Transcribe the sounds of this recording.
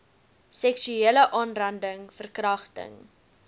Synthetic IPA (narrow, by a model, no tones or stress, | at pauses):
sɛksyeːləʔɑːnrɐndəŋfərkrɐχtə̰ŋ